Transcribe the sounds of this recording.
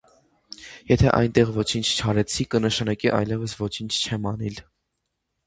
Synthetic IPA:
jɛt̪ʰɛ̰ʔɑ̰jnt̪ɛʁvɔt͡ʃʰint͡ʃʰt͡ʃʰɑɾɛt͡sʰikənəʃɑnɑkiʔɑ̰jlɛvəsvɔt͡ʃʰint͡ʃʰt͡ʃʰɛmɑnɛl

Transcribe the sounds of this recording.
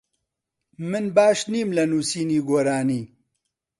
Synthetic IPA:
mɨnbaːʃniːmlɐnuːsiːniːɡoːɾaːniː

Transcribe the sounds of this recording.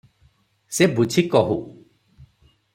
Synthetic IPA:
sebut͡ʃʰikɔɦu

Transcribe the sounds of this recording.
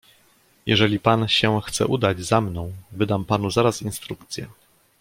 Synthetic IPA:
jɛ̰ʐɛlʲipanɕɛxt̪sɛ̰ʔud̪ad͡ʑzamnɔ̃w̃vɘd̪ampanuzaɾasinst̪ɾuk̚t̪sʲjɛ̰

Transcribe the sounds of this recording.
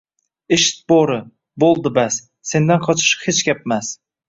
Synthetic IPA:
eʃɪ̥t̪̚bɒɾɪ | bolˠd̪ɪbasː | e̞nd̪anqʰɒt͡ʃʰɪ̥ʃhet͡ʃkʲap̚mas

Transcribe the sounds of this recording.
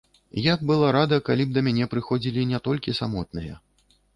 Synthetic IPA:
jaɡbɨlˠaɾad̪ɐkalʲib̚d̪ɐmʲanʲɛpɾɨxɔd͡zʲilʲinʲɛt̪ɔlʲkʲisamɔt̪nɨjɐ̰

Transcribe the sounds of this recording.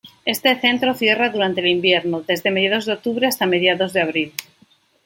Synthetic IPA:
e̞st̪e̞θe̞nt̪ɾo̞θje̞raðuɾant̪elimbje̞ɾnoðe̞zðe̞meðjaðo̞zðeo̞k̚t̪uβɾeast̪ame̞ð̞jaðo̞zðeaβ̞ɾil

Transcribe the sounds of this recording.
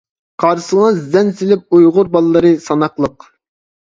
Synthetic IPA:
qʰɑɾsəŋɑzd̪ɛnsɪlɪp̚ujʁʊɾbɑlˠlːˠɨɾɨsɑnɑqlˠəq

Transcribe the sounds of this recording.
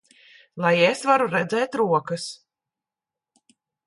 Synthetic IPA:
lˠajesvaɾuɾɛd̪zɛːt̪ɾuɔkɐs

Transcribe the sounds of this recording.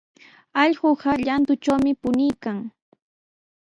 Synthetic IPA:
ɑʎɢoɢɑʎant̪ʊt͡ʃawmɪpʊnɪjkaŋ

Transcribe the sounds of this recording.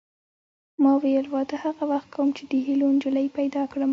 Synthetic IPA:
mɑwejəlwɑt̪ahaɣawaxt̪̚kʰawəmt͡ʃed̪əɦilond͡ʒʊlajpajd̪ɑkɽəm

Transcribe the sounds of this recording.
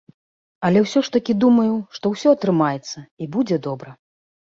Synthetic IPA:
ɐlʲɛwsʲɔʂt̪ɐkʲid̪umɐjuʂt̪ɔwsʲɔɐt̪ɾɨmajɛt̪sːɐibud͡zʲɛd̪ɔbɾɐ

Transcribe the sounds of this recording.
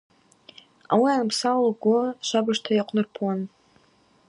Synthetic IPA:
awianɨpsawlɡʷʊʃʷabɨʂtʰajaqʷʰnɨrpʰwan

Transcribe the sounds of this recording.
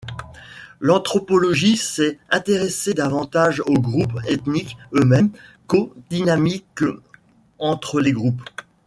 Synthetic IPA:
lɑ̃t̪χɔpɔlɔʒisɛɛ̃t̪eʁesed̪avɑ̃t̪aʒoɡʁupɛt̪nikømɛmkod̪inamik | ɑ̃t̪χəleɡʁup

